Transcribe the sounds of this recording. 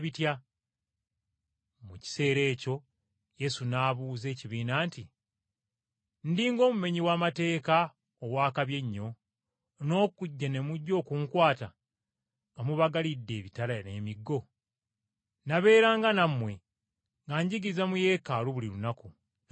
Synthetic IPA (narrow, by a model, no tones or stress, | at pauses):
βitja | muci̥se̞ːɾe̞ːco̞ | je̞sunaːβuːze̞ːciβiːnaːnti | ndiːŋɡo̞ːmume̞ɲiwaːmate̞ːka | owaːkaβje̞ɲːo̞ | no̞ːkuɟːane̞muɟːo̞ːkuŋkwaːta | ŋɡamuβaɡalidːe̞ːβitalane̞miɡːo̞ | naβe̞ːɾaːŋɡanamwe̞ | ŋɡaɲɟiɡizamuje̞ːkaluβulilunaku